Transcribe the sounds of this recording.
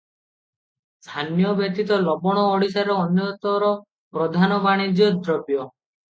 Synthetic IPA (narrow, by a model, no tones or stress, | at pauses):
st̪ʰanjɔbjɔt̪it̪ɔlɔbɔɽ̃ɔːɽis̬aɾɔːnjɔt̪ɔɾɔ | pɾɔd̪ʱanɔbaɽ̃id͡ʒjɔd̪ɾɔbjɔ